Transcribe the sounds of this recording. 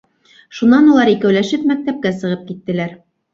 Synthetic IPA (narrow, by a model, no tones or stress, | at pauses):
ʃunɑnulˠɑɾikæwlæʃɘpmæk̚t̪æp̚kæsɤ̆ʁɤp̚kit̪ːɘ̆læɾ